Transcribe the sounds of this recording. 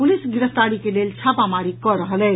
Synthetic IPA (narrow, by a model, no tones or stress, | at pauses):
pulisɡiɾəst̪aɽikelelt͡ʃʰapamaɾikɔɾəɦəlɛ